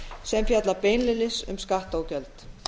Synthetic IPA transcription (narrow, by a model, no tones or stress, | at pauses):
sɛmfjat̪lapeːjnlɪlɪsʏ̰mskaht̪oːwcœlt̪